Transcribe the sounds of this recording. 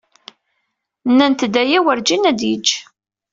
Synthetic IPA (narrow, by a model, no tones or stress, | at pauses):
nːænt̪d̪æjæwəɾd͡ʒinæd̪jəd͡ʒ